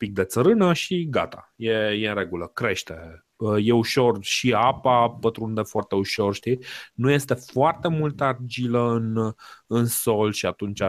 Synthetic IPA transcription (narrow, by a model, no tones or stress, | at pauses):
mpik̚d̪e̞t̪səɾɨnəʃiɡa̰t̪a̰jejeɨnɾe̞ɡuləkɾe̞ʃt̪e | je̞uʃo̞rʃiapapət̪ɾund̪e̞foart̪e̞uʃo̞rʃt̪inuje̞st̪efoart̪e̞mult̪əard͡ʒiləɨnɨnso̞lʃiat̪unt͡ʃa